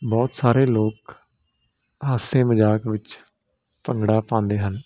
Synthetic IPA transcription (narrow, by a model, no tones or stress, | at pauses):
bɔːt̪saːɾeːloːk | ɦaːsẽːməd͡ʒaːkʋɪt͡ʃ | pəŋɡɽaːpãːnd̪eːɦən